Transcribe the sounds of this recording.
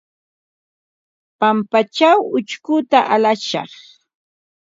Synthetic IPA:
pampat͡ʃawʊt͡ʃkʊt̪aʔalaʃɑ̰χ

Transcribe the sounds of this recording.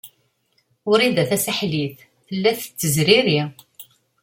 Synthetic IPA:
ʊɾiðæθæsaħliθ | θəlːæθə̥t͡sːəzɾiɾi

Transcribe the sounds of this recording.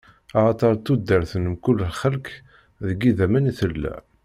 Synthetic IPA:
ɑʁɑt̪ˤɑɾˤt̪ːud̪ːəɾθənəmkʊlːlχəlk | ðəɡiðæmæniθəlːæ̰

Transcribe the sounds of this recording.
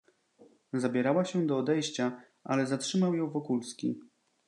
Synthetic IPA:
zabʲjɛɾawaɕɛd̪ɔːd̪ɛjɕt͡ɕa | ʔa̰lɛzatʂɘmawjɔ̃w̃vɔkulskʲi

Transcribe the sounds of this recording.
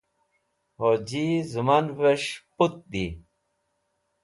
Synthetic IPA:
hod͡ʑizumanveɕput̪̚d̪i

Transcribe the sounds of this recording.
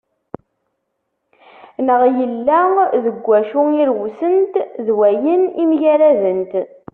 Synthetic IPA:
nəʁjəlːæðəɡʷːæʃʊiɾwusənt̪ðwæjənimʝæɾæðənt̪

